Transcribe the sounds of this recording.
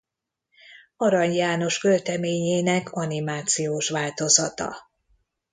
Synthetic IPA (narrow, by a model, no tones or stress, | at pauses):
ɒɾɒɲjaːno̞ʃkølt̪ɛmeːɲeːnɛkʰɒnimaːt̪sijoːʃʋaːlt̪o̞zɒt̪ɒ̰